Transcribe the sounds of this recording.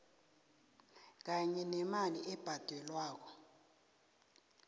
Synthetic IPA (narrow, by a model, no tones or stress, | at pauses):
k̬aɲɛnɛmaliʔɛb̥ʱad̥ʱɛlwaːk̬ɔ